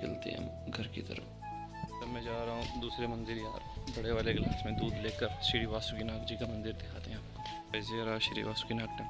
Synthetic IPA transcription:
kɐ̰lt̪ḛɦɛ̰̃ | ɡʱɐɾkḭt̪ə̰ɾə̰f | sɐmẽːd͡ʒaːɾɐɦũd̪uːsɾemɐ̃nd̪ɪɾjaːɾbɐɽeʋaːleɡlaːsmẽd̪uːd̪leːkəɾʃɪɾiʋaːsukinaːkd͡ʒikamɐ̃nd̪ɪɾd̪ɪkʰaːt̪eɦɛ̃ː | ɐɪzeɾaʃɪɾḭʋaːsu̥kinaːk̚e

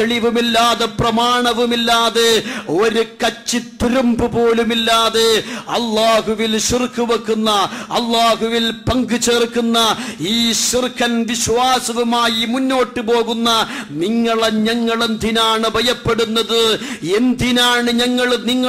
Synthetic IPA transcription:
eɭiʋumilːaːðeprɐmaːɳɐʋumilːaːðe̞o̞ɾukɐt͡ɕːit̪iɾumbɨpo̞ːlumilːaːðeɐlːaːɦuʋilɕirkʰːuʋɐkːunːɐɐlːaːɦuʋilpɐŋɡɨt͡ɕe̞ːrkːunːɐiːɕirkʰːɐnʋiɕʋaːsɐʋumaːjimunːo̞ːʈːɨpo̞ːɣunːɐniŋːɐɭeɲɐŋːɐɭe̞nd̪ʱinaːɳɨbʱɐjɐpːeɽunːɐðɨend̪ʱinaːɳɨɲɐŋːɐɭniŋːɐ

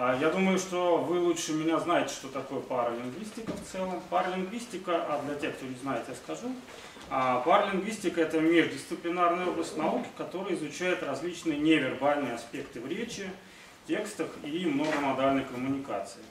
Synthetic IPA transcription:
jad̪uməjʊʂt̪o̞vɨlˠuʂɨmʲɪnʲaznajɪtʲɪ̥ʂt̪ot̪ɐko̞jəpaɾəlʲɪŋɡvʲisʲtʲɪkəft̪sɛlˠəmpaɾəlʲɪŋɡvʲisʲtʲɪkəʔad̪lʲɐtʲexkt̪onʲɪznajɪt̪ʲɪjaskɐʐu | apaɾəlʲɪŋɡvʲisʲtʲɪkəɛt̪əmʲeʐdʲɪst̪sɨplʲɪnarnɨjo̞blˠəsʲkʲnɐukʲɪ̥kɐt̪o̞ɾɨjɪzʊt͡ɕæjɪt̪rɐzʲlʲit͡ɕnɨjənʲevʲɪrbalʲnɨjəɐspʲe̞kt̪ɨvɾʲet͡ɕɪ | tʲe̞kst̪əfimno̞ɡəmɐd̪alʲnəjkəmʊnʲɪkat̪sɨɪ

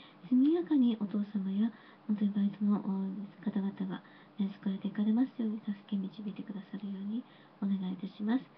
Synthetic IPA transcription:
sɨmʲijakaɲ̟iʔo̞t̪o̞ːsamaja | ho̞nt̪o̞ɲʲibaitɨno̞ʔkat̪aɡat̪aɡa̰ | asɨ̥kɯaɾet̪ekaɾe̞masɨjo̞ːɲ̟it̪asɨ̥ke̞mʲit͡ɕibʲiːt̪e̞kɯd̪asaɾɯ̟jo̞ːɲ̟i | o̞ne̞ɡait̪aɕimasɨ̥

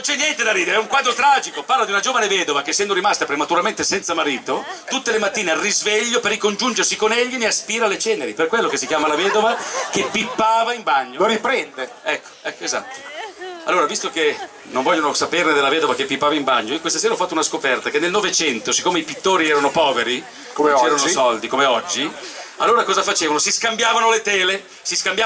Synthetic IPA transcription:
nont͡ʃɛnjɛnt̪ed̪aɾiːd̪eɾɛuŋkwaːd̪ɾot̪ɾaːd͡ʒikoparlad̪iunad͡ʒoːvanevɛːd̪ovakesːɛnd̪oɾimast̪apɾemat̪uɾalment̪esɛnt̪samaɾiːt̪ot̪ut̪ːelemat̪ːiːnearːizveʎːoperːikond͡ʒund͡ʒersikoneʎːineaspiːɾalet͡ʃɛːneɾiperkwelːokesːikjaːmalavɛːd̪ovakepːipːaːvaimbaɲːooɾipɾɛnd̪eɛkːo̥ɛkːoeza̰t̪ːo̥a̰lːoːɾavist̪oke | noɱvɔʎːonosaperned̪elːavɛːd̪ovakepːipːaːvaimbaɲːoiokwest̪aseːɾaɔfːat̪ːounaskopɛrt̪akenːelnovet͡ʃɛnt̪osi̥kːoːmeipit̪ːoːɾiɛːɾanopɔːveɾi | koet͡ʃɛːɾanosɔld̪ikomeɔd͡ʒːia̰lːoːɾakɔːzafat͡ʃeːvanosiskambjaːvanolet̪ɛːle | siskambja

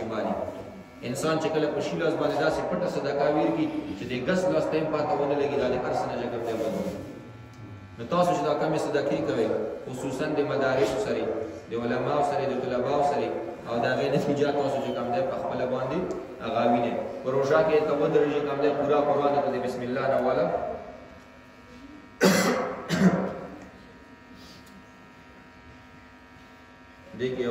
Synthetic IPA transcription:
mɑni | ɪnsɑnt͡ʃekəlapəʃilɑzbɑnd̪ed̪ɑsepəʈasad̪akaweɾkit͡ʃed̪əɡaslɑst̪ampɑt̪awənalaɡid̪ɑd̪əʔaɾsənaɣakamd̪aban | not̪ɑsot͡ʃed̪ɑkamesad̪akekawexʊsusand̪əmad̪ɑɾɪsosaɾed̪əʊlamɑsaɾed̪ət̪ʊlabɑwsaɾeawd̪əhaɣenat̪id͡ʒat̪ːɑsot͡ʃekamd̪ajpəxpəlabɑnd̪e | aɣawinapəɾoʒakek̪abənd̪ɾeʒikamd̪ajpuɾapəɾɑnd̪et̪ad̪əbɪsmɪlːɑɾawɑla | d̪eke

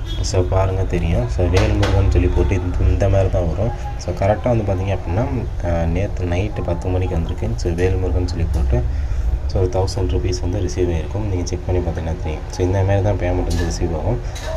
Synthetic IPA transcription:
soːpaːɾɯŋɡɐt̪ɛɾɪjʊ̃soːʋeːlmʊɾʋɐnːɯsɔlːipoːʈːɯɪnd̪ɐmaːɾit̪ãːʋɐɾʊ̃ | soːkɐɾɛk̚ʈaːʋɐnd̪ɯpaːɾt̪iːŋɡɐɐpːɐɽinːaː | neːɾt̪ɯnɐɪʈːpɐt̪ːɯmɐɳːɪkːʋɐnd̪ɯɾɯkːɯsoːʋeːlmʊɾʋɐ̃nːɯsɔlːipoːʈːɯsoːɾɯt̪ɐʊsɐɳɖɾupiːsʋɐnd̪ɯɾɪsiːʋaːɪɾɯkːɯmnĩːŋɡɐt͡ʃɛk̚pɐɳːipaːɾt̪ĩŋɐnaːt̪ɛɾɪjʊ̰̃soːɪnd̪ɐmaːɾit̪ãːpejaːmɐʈːɾɐnd̪ɯɾɪsiːʋaːʋʊ̃m

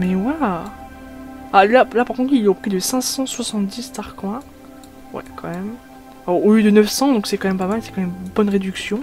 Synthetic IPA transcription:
mɛwɛ | alalapaʁkɔ̃t̪χilɛopχid̪əsɛ̃sɑ̃swasɑ̃t̪d̪ist̪aʁkwɛ̃ | wɛ̰kɑ̃mɛm | oləd̪ənœfsɑ̃d̪ɔ̃ksɛkɑ̃mɛmpamalsɛ̥kɑ̃mɛmbɔnʁed̪yksjɔ̃

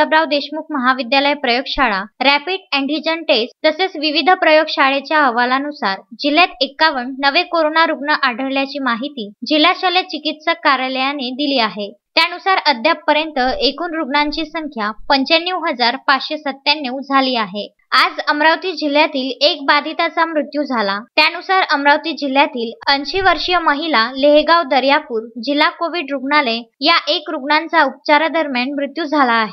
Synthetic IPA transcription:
əbɾaʋd̪eɕmukʰməɦaʋid̪jaləjpɾəjoɡɕaɭaɾæpiɖɛ̃ɳɖid͡ʑənʈest̪əset͡sʋiʋid̪ʱəpɾəjoɡɕaɭet͡ɕjaəʋalanusaɾd͡ʑil̤ːjat̪ekːaʋəɳːəʋekoɾonaɾuɡɳəʔaɖʱəɾljat͡ɕiːmaɦit̪iːd͡ʑil̤ːaɕalet͡ɕikit̪səkːaɾjləjaned̪iliːaɦet̪janusaɾəd̪ʱjapːəɾjənt̪əekuːnɾuɡɳãɲt͡ɕiːsəŋkʰjapəɲt͡ɕanːiwɦəd͡zaɾpat͡sɕesət̪ːanːiwd͡zʱaliːaɦe | ad͡zəmɾawt̪iːd͡ʑil̤ːjat̪iːlek̚bad̪ʱit̪at͡samɾut̪jud͡zʱalat̪janusaɾəmɾawt̪iːd͡ʑil̤ːjat̪iːlənɕiʋəɾʂijəməɦilaleɦɡawd̪əɾjapuːɾd͡ʑilːakoʋiɖɾuɡɳalejaʔekɾuɡɳant͡saup̚t͡ɕaɾad̪əɾmjaɳmɾut̪jud͡zʱalaːɦe

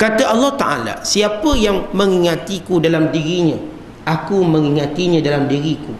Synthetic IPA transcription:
kat̪aʔɑlːɔht̪a̰ʔa̰la̰siapəjaŋmə̃ŋiŋãt̪ikudalamdiɾiɲã | ʔakumə̃ŋiŋãt̪iɲãdalamdiɾiku

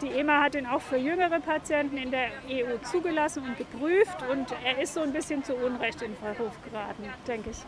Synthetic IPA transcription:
d̥iːʔeːmahatiːnaʊxfyːɐjʏŋəʁ̞əpʰat͡sjɛntn̩ɪndeːɐeuːt͡suːɡəlasn̩ʊnt̚ɡ̥əpʁ̥yːftʊnteːɐɪstz̥oːnbɪsçənt͡suʔʊnʁɛçtɪnfɛʁuːfɡ̥əʁaːtn̩d̥ɛŋkəɪç

